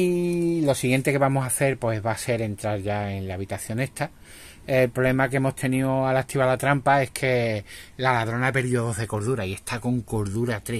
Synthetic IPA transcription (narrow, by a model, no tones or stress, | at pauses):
ilo̞siɣje̞nt̪e̞ke̞βamosaθe̞ɾpwe̞zβase̞ɾe̞nt̪ɾaɾʝae̞nlaːβ̞it̪aθjo̞ne̞ht̪ʰa | elpɾole̞makeemo̞st̪ʰe̞nioalat̪ʰiβalat̪ɾampae̞hkʰe̞lalaðɾo̞nape̞ɾðjo̞ðo̞ɦðe̞ko̞ɾðuɾaie̞st̪ʰako̞ŋko̞ɾðuɾat̪ɾe